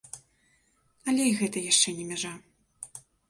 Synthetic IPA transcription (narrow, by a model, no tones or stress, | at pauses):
ɐlʲɛjɣɛt̪ɐjaʂt͡ʂɛnʲɛmʲaʐa